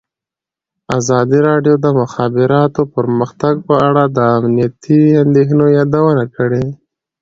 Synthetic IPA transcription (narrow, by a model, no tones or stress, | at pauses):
azɑd̪iɾɑɖjod̪əmʊxɑbɪɾɑt̪opəɾməxt̪aɡ̚pəaɽad̪əːmnijat̪ʰiand̪exnojɑd̪awənakəɽe